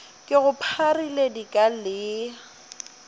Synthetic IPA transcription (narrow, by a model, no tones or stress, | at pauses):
kʼɪɣʊpʰariledikʼalɪ